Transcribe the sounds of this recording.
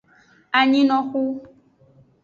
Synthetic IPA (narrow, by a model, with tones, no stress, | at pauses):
a˨ɲĩ˦nɔ̃˨˦xu˦